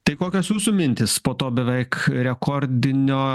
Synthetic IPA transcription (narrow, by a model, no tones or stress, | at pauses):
t̪ɐɪkoːkʲoːsjuːsuːmʲɪnʲt̪ʲɪspoːt̪oːbʲɛʋʲɛɪkɾʲɛkoɾʲd̪ʲɪnʲoː